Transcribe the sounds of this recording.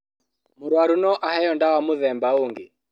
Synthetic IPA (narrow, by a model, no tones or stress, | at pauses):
muɾwaɾunɔʔahɛjɔndawamuðɛmbauŋɡi